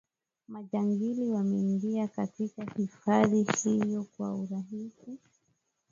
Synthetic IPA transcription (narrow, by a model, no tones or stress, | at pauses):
maʄaŋɡiliwamɛiŋɡiakatikahifaðihijɔkwa̰uɾaɦisi